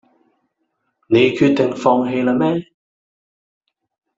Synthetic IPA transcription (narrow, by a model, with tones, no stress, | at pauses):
ne˨˧jkʰyː˧t̚t̪ɪ˨ŋfɔː˧ŋɦe˧jla˨mɛː˥